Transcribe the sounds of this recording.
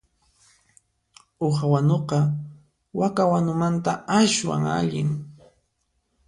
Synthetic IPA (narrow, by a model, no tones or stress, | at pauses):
oxawanoqɑ | wakawanʊmant̪aaʃwa̰ŋa̰ʎɪŋ